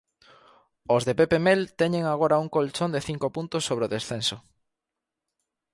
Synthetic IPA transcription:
ozðepepemelt̪ɛɲeŋaɣ̞oɾauŋkolt͡ʃond̪eθiŋkopunt̪osːoβ̞ɾeoðesθenso

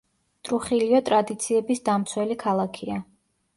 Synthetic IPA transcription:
t̪ʼɾuχiliɔt̪ʼɾad̪it̪sʰiɛbisd̪amt̪sʰwɛlikʰalˠakʰia

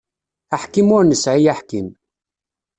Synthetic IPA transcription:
aħkimʊɾnəsʕijaħkim

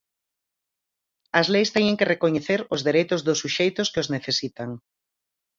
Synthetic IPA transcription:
ɐzlejst̪ɛɲẽŋkerekoɲeθeɾʊzðeɾejt̪ʊzðʊsːuʃejt̪ʊskɪozneθesit̪aŋ

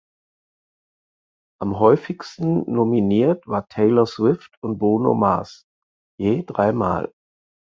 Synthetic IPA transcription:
ʔamɦɔʏfɪçstn̩nominiːɐtv̥aːɐtʰɛɪlɐswɪftʊnt̚b̥oːno̰ma̰s | jeːdʁaɪma̰ːl

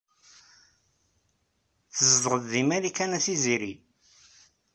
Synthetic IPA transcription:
θəzd̪ˤʁəðːimæɾikænæθiziɾi

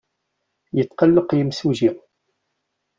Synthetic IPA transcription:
jət̪ːqəlːəqjəmsuʒi

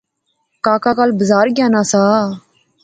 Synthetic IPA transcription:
kaːkaːkaːlbəzaːɾɡjaːnaːsaː

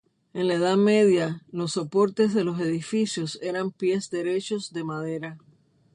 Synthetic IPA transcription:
e̞nlaeðame̞ðjalo̞sːo̞po̞ɾt̪e̞sðe̞lo̞s̬e̞ðifisjo̞se̞ɾampje̞sd̪e̞ɾe̞t͡ʃo̞sd̪e̞maðe̞ɾa

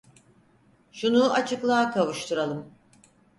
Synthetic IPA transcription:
ʃunuat͡ʃʰɯklˠaːkʰavuʃt̪ʰuɾalˠɯm

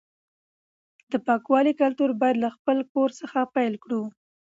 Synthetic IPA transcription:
d̪̥əpɑkwɑlikalt̪uɾbɑjad̪laxpəlkoɾsəxapajlkɽu

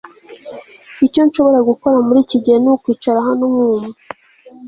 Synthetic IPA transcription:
ico̞nʃo̞βo̞ɾaɡuko̞ɾamuɾiːciɟihenukwiːt͡ʃaɾaɦanomuːmu

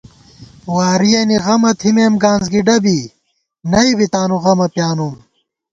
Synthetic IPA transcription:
waːɾijɐniɣɐmɐt̪ʰimeːmɡaːnzɡiɖɐbi | nɐibit̪aːnuʁɐmɐpjaːnum

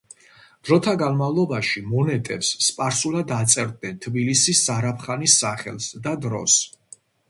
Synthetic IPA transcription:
d̪̥ɾɔt̪ʰaɡanmavlˠɔbaʃimɔnɛt̪ʼɛpsːpʼaɾsulˠad̪at̪sʼɛɾd̪̚nɛnt̪ʰbilisisːaɾapʰχanisːaχɛ̰lˠsd̪ad̪ɾɔ̰s

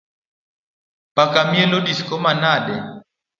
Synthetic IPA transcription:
pakamiɛlɔɗiskɔmanaɗɛ

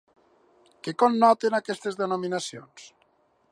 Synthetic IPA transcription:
kekonːɔt̪enakɛst̪ezðenominasions

